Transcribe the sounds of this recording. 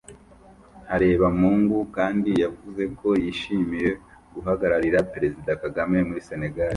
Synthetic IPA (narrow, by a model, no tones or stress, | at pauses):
haɾe̞ːβamuːŋɡukaːndijavuze̞ko̞jiʃiːmije̞ | ɡuɦaɡaɾaɾiɾapeɾe̞zidakaɡame̞muɾise̞ne̞ɡaɾi